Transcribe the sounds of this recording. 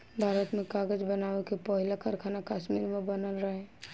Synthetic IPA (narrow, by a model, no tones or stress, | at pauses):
bʱaːɾət̪mẽkaːɡəd͡ʒbənaːʋekepɔɦɪlakʰəɾkʰaːnakaːʃmiːɾmẽbənəlɾəɦẽ